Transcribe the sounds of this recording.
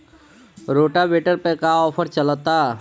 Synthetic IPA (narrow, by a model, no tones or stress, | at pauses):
ɾoːʈabeːʈəɾpekaɔːpʰəɾt͡ʃələt̪a